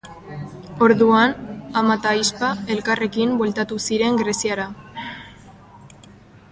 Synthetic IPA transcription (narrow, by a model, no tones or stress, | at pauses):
o̞ɾðuanamat̪ajspae̞lkare̞kimbwe̞lt̪at̪usiɾe̞ŋɡɾe̞sjaɾa